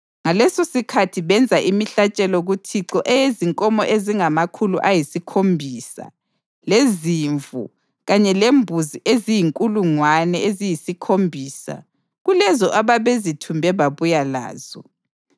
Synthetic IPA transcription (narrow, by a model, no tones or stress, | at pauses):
ŋalɛsosikʰatʰiβɛnd͡zʱaʔimiɬat͡ʃʼɛlɔɣutʰiǁɔʔɛjeziŋkʼɔmɔʔeziŋamakʰulṵʔajisikʰombʱiːsa̰ | leziɱvṵ | ɣaɲɛlembʱuziʔezijiŋkʼuluŋwanɛezijisikʰombʱiːsa̰ | ɣulɛzɔʔaβaβezitʰumbʱɛβaβujala̰ːz̥ɔ